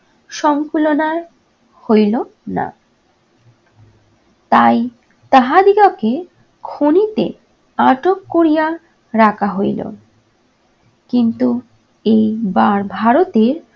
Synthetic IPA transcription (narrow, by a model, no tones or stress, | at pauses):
ʃɔŋkulonaɾ | hojlona̰ | t̪aj | t̪aɦad̪ikoke | kʰonit̪e | aʈokːoɾija | ɾakʰaɦojlo̰ | kint̪u | ejbaɾbʱaɾot̪eɾ